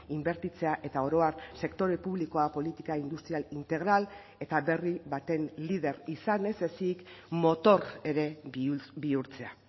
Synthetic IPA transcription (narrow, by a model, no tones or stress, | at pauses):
imbe̞ɾt̪it͡se̞aʔe̞t̪ao̞ɾo̞arse̞kt̪o̞ɾe̞puβliko̞apo̞lit̪ikaind̪ust̪ɾialint̪e̞ɣ̞ɾal | e̞t̪aβe̞riβat̪e̞nlið̞e̞ɾisane̞se̞siːkmo̞t̪o̞re̞ɾe̞biuɾt͡se̞a